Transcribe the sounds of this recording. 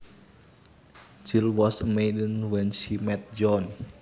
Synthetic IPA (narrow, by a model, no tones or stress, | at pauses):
d͡ʒilwɔsəmeɪdənwɛnʃimɛt̪̚d͡ʒɔn